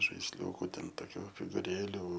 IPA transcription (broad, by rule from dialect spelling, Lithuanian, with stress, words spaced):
ʒɐɪsʲˈlʲuːkʊ ˈtʲɛn toːˈkʲuː fʲɪɡʊˈrʲeːlʲuː